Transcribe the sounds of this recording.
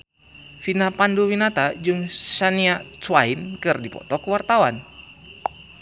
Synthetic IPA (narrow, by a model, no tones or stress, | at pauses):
finapanduwinat̪ad͡ʒɨŋsaniat͡suwainkɨrdipɔ̰t̪ɔkuwart̪awan